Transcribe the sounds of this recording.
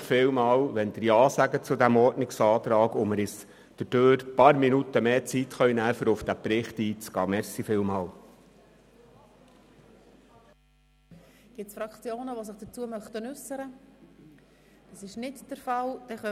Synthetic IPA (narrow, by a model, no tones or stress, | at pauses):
fɪːwmɑːlʋɛnd̥̪əɾjɑːsæɡət͡sʊd̪æmɔɾtnɪksɑːt̪ɾɑːɡʊməɾɪs | d̥əd̥øːɾpɑɾminut̪əmeːt͡sit̪χœɥnæːfəɾʊfd̥̪æpɾɪχt̪iːt͡sɡ̥ɑːmɛɾsifɪːwmɑːl | ɡ̥ɪt͡sfɾɑkt͡sjoːnəʋoːs̬ɪχd̥ət͡suəmœχtənʏsəɾə | d̥ɑsɪʃnɪtd̥əɾfɑld̥ɛχœ